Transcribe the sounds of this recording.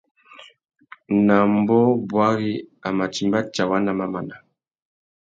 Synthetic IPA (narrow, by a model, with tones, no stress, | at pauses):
na˨mbɔ˦bwa˦ɣi˦a˨ma˨t͡ʃi˨mba˦t͡ʃa˨wa˦na˨ma˦ma˨na˨